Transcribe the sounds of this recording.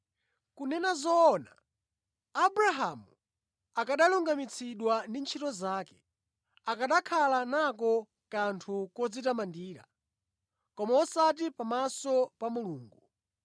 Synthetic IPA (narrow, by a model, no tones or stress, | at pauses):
kunɛnazɔːna | aɓɾaɦamu | akaɗaluŋɡamit͡sʰiɗwandint͡ʃʰitɔzaːkɛ̥ | akaɗakʰalanak̬ɔ | kantʰukɔd͡zitamandiːɾa̰ | kɔmaɔsat̬ipamasɔpamuluːŋɡu